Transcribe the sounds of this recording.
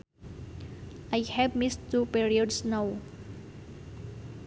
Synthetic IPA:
ajhɛvmistːupiɹiɔdsnaw

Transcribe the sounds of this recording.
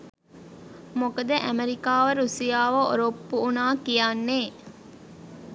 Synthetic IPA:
mokɐd̪ɐʔæmeɾikaːʋɐɾusijaːʋɐʔo̰ɾopːuːnaːkijaːnːeː

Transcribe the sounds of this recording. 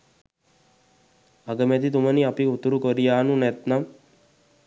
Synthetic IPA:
aɡəmɛt̪it̪uməniapiut̪uɾukoɾijaːnunɛt̪nam

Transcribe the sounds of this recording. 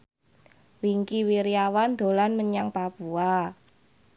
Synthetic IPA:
wiŋkiwiɾiawand̪̥o̤lanməɲaŋpab̥ua

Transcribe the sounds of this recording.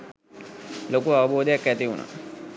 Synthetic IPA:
lokuaʋɐboːd̪ejakːæt̪iunʔa̰

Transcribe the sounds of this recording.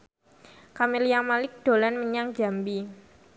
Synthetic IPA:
kamilijaŋmalɪk̚d̥o̤lanməɲaŋd͡ʒa̤mbi

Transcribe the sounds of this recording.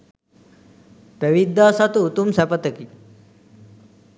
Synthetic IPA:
peʋid̪ːaːsat̪uut̪umsɛpət̪əki

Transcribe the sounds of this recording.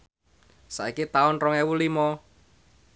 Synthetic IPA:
sa̰ikit̪aʊnrɔŋɛwulimɔ

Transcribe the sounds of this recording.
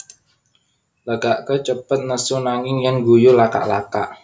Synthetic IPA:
ləɡaʔkət͡ʃəpət̪̚nəsunaŋɪŋjəŋɡujulaka̰ʔlaka̰ʔ

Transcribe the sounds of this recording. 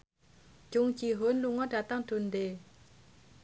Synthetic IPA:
t͡ɕoŋt͡ɕiɦonloŋaʈ͡ʂat̪aŋʈ͡ʂʰond̪e

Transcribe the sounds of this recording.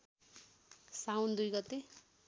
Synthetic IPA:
sawnd̪ujɡʌt̪e

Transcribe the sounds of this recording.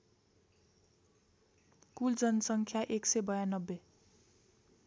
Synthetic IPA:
kuld͡zʌnʌsʌŋkʰjaʔeksʌjbʌjanʌbːe

